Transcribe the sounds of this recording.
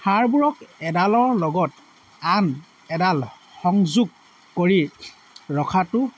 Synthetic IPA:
haɹbuɹɔkɛdalɔɹlɔɡɔt̚ | an | ɛdal | xɔŋzuɡ̚ | koɹi | ɹɔkʰatʊ

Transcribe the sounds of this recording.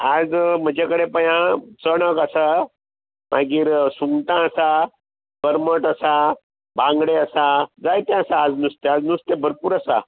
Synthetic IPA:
ad͡zm̤əd͡ʑakəɽepəjãt͡səɽ̃əkəsa | mʔaɡiːɾsuŋɡt̪ãəsa | b̥əɾməʈəsa | bãŋɡɽeəsad͡zajt̪ẽəsaːd͡znust̪ead͡znust̪ebʱəɾpuːɾəsa̰

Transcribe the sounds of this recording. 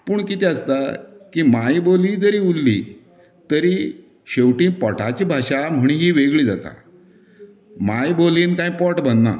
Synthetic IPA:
puːɳkit̪iəst̪akimajboliːd͡zəɾiːulːḭ | t̪əɾi | ɕewʈĩːpɔʈʰat͡ɕiːbʱaɕam̤əɽ̃iɦiːʋeɡɭiːd͡za̰t̪a̰ | majboliːnkãĩpɔʈbənna̰

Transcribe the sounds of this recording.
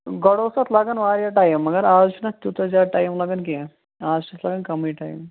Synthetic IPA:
ɡɐɽosɐt̪ʰlaːɡɐnʋaːɾjaʈaːjmːɐɡɐɾaːzt͡ʃʰunɐt̪ut̪d͡ʒaːɾʈaːjmlaɡɐnke | aːzt͡ʃʰut̪ʰlaɡɐnkɐmiʈaːjm

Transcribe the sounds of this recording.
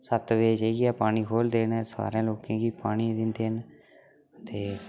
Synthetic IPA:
sət̪ʋeːd͡ʒeiɡaːpaːɽ̃iːkʰoːld̪eːnːsa̰ːɾãːloːkãːɡiːpaːɽ̃iːd̪ɪnd̪eːn | ət̪eː

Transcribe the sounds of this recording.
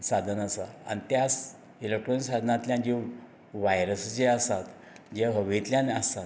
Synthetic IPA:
sad̪ʱənasa̰a̰nit̪jas | ilek̚ʈɾonisad̪ʱənat̪ljãnid͡ʑe | ʋajɾəsd͡ʑeasat̪ | d͡ʑeɦəʋet̪ljãnəst̪at̪

